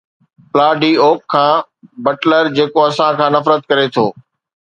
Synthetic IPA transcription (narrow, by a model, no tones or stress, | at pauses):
plaːɖiːoːkʰːãː | bɐʈləɾd͡ʑeːkoɐsãkʰãːnɐfɾət̪̚kɐɾet̪ʰoː